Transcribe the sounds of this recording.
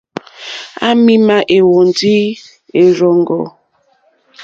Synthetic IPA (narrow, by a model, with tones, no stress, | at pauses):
a̰˦mi˦ma˦ʔe˨wɔ˨n̩˨di˦ | e˨ɾɔ˨ŋ˨ɡɔ˨